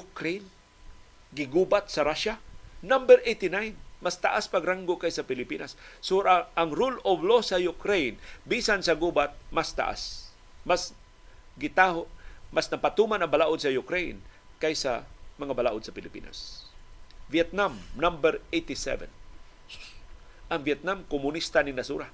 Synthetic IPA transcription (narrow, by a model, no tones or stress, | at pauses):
jʊkɾejn | ɡɪɡuːbat̪̚sɐɾaʃanambɛɾʔejt̪ɪnajnmast̪a̰ʔaspaɡɾaŋɡʊkajsɐpɪlɪpiːnasːoɾaaŋɾulovlosɐjʊkɾejnbisansɐɡubat̪̚mast̪a̰ʔa̰s | mas | ɡɪt̪ahomasnɐpat̪uːmanɐŋbalaʔʊd̪̚sɐjʊkɾejn | kajsa̰mɐŋabalaːʔʊd̪sɐpɪlɪpḭːna̰s | vjɛt̪̚namnambɛɾejt̪ɪsɛ̰vɛ̰n | ʔɐŋvjɛt̪̚namkʊmʊnist̪anɪŋnasṵːɾa